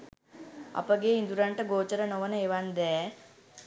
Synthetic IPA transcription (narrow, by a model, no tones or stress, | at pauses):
a̰pəɡeind̪uɾaɳʈəɡoːt͡ʃəɾənoʋənəeʋand̪ɛː